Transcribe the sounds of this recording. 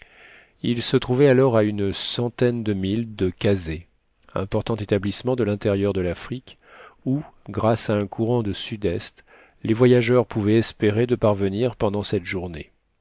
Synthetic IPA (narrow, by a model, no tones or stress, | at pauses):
ilsət̪χuvɛalɔʁaynsɑ̃t̪ɛnd̪əmild̪əkaze | ɛ̰̃pɔʁt̪ɑ̃t̪et̪ablismɑ̃d̪əlɛ̃t̪eʁjœʁd̪əlafχik | uɡʁasaɛ̃kʰuʁɑ̃d̪əsyd̪ɛst̪ | levwajaʒœʁpuvɛɛspeʁed̪əpaʁvəniʁpɑ̃d̪ɑ̃sɛt̪ʒuʁne